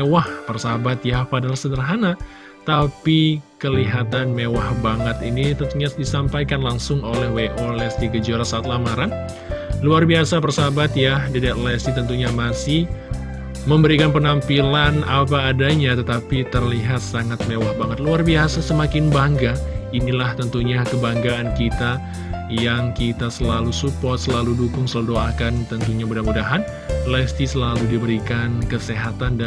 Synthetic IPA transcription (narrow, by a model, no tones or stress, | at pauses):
ewahpərsabat̪japadalahsədərɦana | t̪apikəliɦat̪anmewahbaŋət̪init̪ənt̪uɲadisampajkanlaŋsʊŋolɛhweʔolɛsdiɡəd͡ʒaɾasaːt̪̚lamaɾan | luarbiasap̬ərsabat̪jahdidɛt̪lɛsit̪ənt̪uɲamasɪh | məmbəɾikanpənampilanap̬aːdaɲat̪ət̪apit̪ərliɦat̪̚saŋat̪̚mewahbaŋət̪̚luarbiasasəmakɪnbaŋɡainilaht̪ənt̪uɲakəbaŋɡaːnkit̪a | jaŋkit̪asəlalusupɔrt̪̚səlaludukʊŋsəlaludoakant̪ənt̪uɲamudamudaɦan | lɛst̪isəlaludibəɾikankəseɦat̪anda